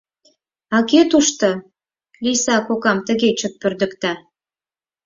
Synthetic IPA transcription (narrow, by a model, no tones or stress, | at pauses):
ɑket̪uʃt̪o | lisɑkokɑmt̪ə̆ɣet͡ɕək̪̚pørd̪ə̆kt̪ɑ